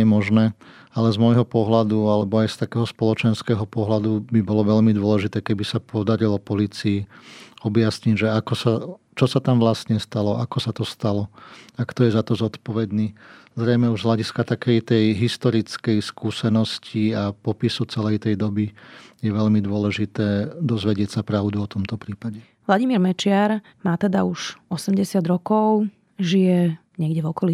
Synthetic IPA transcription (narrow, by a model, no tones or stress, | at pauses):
ɛmɔʒnɛː | alɛzmɔjɦɔpɔɦlad̪ualɛbɔajst̪akɛːɦɔspɔlɔt͡ʃɛnskɛːɦɔpɔɦlad̪ubibɔlɔʋɛʎmid̪ʊɔlɛʒit̪ɛːkɛbisapʰɔd̪aɾilɔpɔliːt͡siiɔbjasɲiɟʒɛakɔsa | t͡ʃɔsat̪amʋlast̪ɲɛst̪alɔʔakɔsat̪ɔst̪alɔakt̪ɔjɛzat̪ɔzɔt̪pɔʋɛd̪niːzɾɛjmɛuʒzɦlaɟiskat̪akɛjt̪ɛjɦist̪ɔɾit͡skɛjskuːsɛnɔsciapɔpisut͡sɛlɛjt̪ɛjd̪ɔbijɛʋɛʎmid̪ʊɔlɛʒit̪ɛːd̪ɔzʋɛɟɪɛcsapɾaʊd̪uɔt̪ɔmt̪ɔpɾiːpaɟɛ | ʋlaɟimiːɾmɛt͡ʃɪaɾ | maːt̪ɛd̪a̰uʃɔsɛmɟɛsɪad̪ɾɔkɔʊ | ʒijɛɲɪɛɡɟɛvɔkɔli